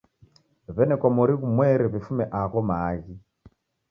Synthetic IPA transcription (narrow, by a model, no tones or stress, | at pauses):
βɛnɛkɔmɔɾiɣumwɛɾiβifumɛʔaɣɔmaːɣi